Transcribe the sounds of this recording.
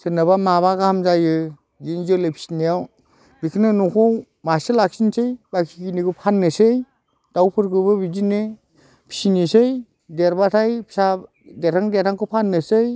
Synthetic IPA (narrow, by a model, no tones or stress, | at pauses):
sɯnabamaβaɡahamzajɯ | ɡinzɯlɯjpʰi̥sinijaw | bikʰnɯnukʰɔw | maselak̚sinsɯjbakʰikinikɯpʰanːɯsɯj | d̥awpʰɯɾkʰɯbɯbid͡ʒine | pʰi̥sinisɯj | deɾbatʰajpʰi̥sa | deɾʰaŋdetʰaŋkɯpʰanːɯsɯj